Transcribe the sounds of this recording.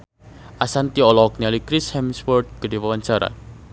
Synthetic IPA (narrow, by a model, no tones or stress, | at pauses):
ʔasant̪iɔlɔk̚nialikɾɪshɛmswɔrd̪̚kədiwawaɲt͡ʃaɾa̰